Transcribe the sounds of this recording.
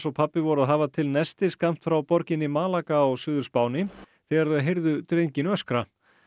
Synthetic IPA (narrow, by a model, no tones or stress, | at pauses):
sɔwpʰapːɪvɔɾʏaðɦaːvat̪ʰɪlnɛst̪ɪskam̥t̪fɾawpɔɾcɪnːɪmaːlakaɔɣsʏːðʏɾspaːwnɪ | θɛːɣaɾðœɦejɾðʏt̪ɾejɲcɪnœskɾa